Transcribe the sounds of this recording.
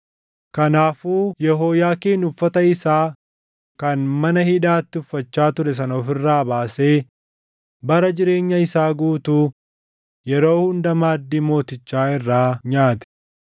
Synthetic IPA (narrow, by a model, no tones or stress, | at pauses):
kɐnaːfuːjɛɦoːjaːkeːnʊfːɐt̪ɐɪsaː | kɐnmɐnɐhɪᶑaːt̪ːɪʊfːɐt͡ʃːaːt̪ʊɾɛs̬ɐnɐɔfɪrːaːbaːse̞ː | bɐɾɐd͡ʒɪɾe̞ːɲːɐɪsaːɡuːt̪uː | jɛɾo̞ːhʊnd̪ɐmaːd̪ːiːmo̞ːt̪ɪt͡ʃːaːɪrːaːɲaːt̪ɛ̥